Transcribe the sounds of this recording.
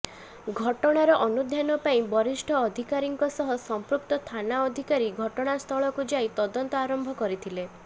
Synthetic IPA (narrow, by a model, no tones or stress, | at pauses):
ɡʱɔʈɔɽ̃aɾɔʔɔnud̪ʱjanɔpaĩbɔɾisʈʰɔːd̪ʱikaɾiŋkɔsɔɦɔsɔmpɾuk̚t̪ɔt̪ʰanaɔd̪ʱikaɾiɡʱɔʈɔɽ̃ast̪ʰɔɭɔkud͡ʒait̪ɔd̪ɔnt̪ɔaɾɔmbʱɔkɔɾit̪ʰile